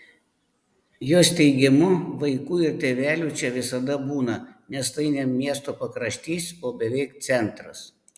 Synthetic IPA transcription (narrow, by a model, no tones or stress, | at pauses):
joːst̪ʲɛɪɡʲɪmʊʋɐɪkuːɪɾt̪ʲeːʋʲæːlʲuːt͡ʃʲɛʋʲɪsɐd̪ɐbuːnɐnʲɛst̪ɐɪnʲɛmmʲiɛst̪oːpɐkɾɐʃʲt̪ʲiːsʲoːbʲɛʋʲɛɪkt̪sʲɛnt̪ɾɐs